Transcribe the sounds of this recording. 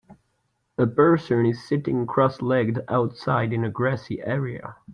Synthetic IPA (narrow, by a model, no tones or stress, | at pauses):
əbɜ˞sɨ̃nɪz̥sɪɾɪ̃ŋkʰɹ̥ɔslɛɡ̚da̰ʊtsaɪɾɨ̃nɨɡɹæsiʔɛɹiɨ̰